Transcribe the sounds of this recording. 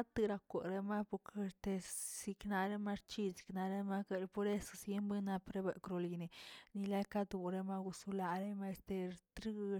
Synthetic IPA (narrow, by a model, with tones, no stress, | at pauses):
a˦t̪ɨ˧ɾa˧kʷe˨ɾe˦ma˦po˧ɾke˧ɾt̪e˧si˧kna˧ɾe˦ma˧ɾt͡ʃi˦si̥˨kna˧ɾe˦ma˦ka˧ɾpo˧ɾe˦sḁ˧sje˦mbe˦na˧pɾe˦be˨ʔkɾo˧li˧ne˧ni˧la˦ka˦d̪u˧ɾe˧ma˧ɡu˧su˧la˧ɾe˦ma˧st̪e˧t̪ɾi˦